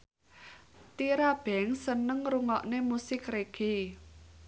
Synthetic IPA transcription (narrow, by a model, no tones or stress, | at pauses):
t̪iɾab̥ɛ̤ŋsənəŋruŋɔʔnemusɪkreɡ̥i̤